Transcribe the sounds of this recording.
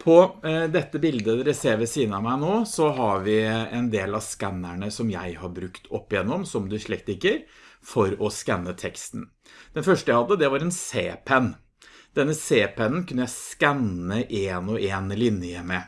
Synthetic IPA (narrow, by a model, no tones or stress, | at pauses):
pʰɔd̪ɛt̪ːəbɪld̪əɾɛseːʋəsiːənəɑmæɪnoːsɔɦɑɾʋɪɛnd̪eːlɑskænːæɳəsɔmjæɪhɑɾbɾʉkt̪ʰɔpːjɛnːɔmsɔmd̪ʉʂɭɛk̚t̪ɪkːəɾ | fɔɾɔskɛnːət̪ʰɛkst̪n̩ | d̪̥ɛnfœʂʈəjæhɑd̪ːəd̪ɛʋɑɾɛnseːpʰɛnː | d̪̥ɛnːəseːpʰɛnːn̩kʰʉnːəjæɪskænəʔeːnɔʔeːnlɪnɪjəmɛ